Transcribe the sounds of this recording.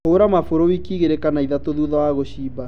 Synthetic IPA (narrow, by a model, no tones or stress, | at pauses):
oɾamafoɾowikiːɣeɾekanaiðatoðuðawaɣoɕiːba